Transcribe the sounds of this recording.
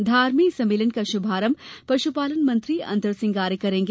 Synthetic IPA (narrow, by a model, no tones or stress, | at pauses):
d̪ʱaːɾmiksɐ̃meːlənkaʃʊbʱaːɾəmpɾɐʃupaːlənmɐ̃nt̪ɾiɐ̰̃nd̪ʱəɾsɪ̃ŋɡaːɾjəkɐɾẽːŋɡe